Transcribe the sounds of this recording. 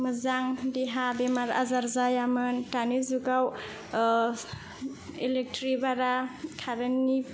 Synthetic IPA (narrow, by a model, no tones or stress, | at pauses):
mɯzaŋdiɦabemaɾa̰zaɾzajamɯntanizuɡaw | elek̚tɾibaɾakʰaɾani